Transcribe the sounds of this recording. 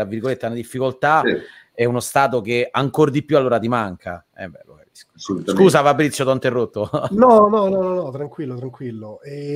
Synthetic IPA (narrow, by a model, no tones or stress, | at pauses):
ɾavːirɡolet̪ːenad̪ifːikolt̪aɛunost̪aːt̪̬ok̟eaŋkord̪ipjualːoːɾat̪imaŋkʰaɛ̰bɛ̰lo̰kais | skuːsafabːɾit̪sjot̪ɔnt̪erːot̪ːonɔnɔnɔnɔnɔt̪ɾaŋkwilːot̪ɾaŋkwilːoɛ